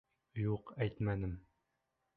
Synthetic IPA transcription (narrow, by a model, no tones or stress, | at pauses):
juqæjt̪mænɘm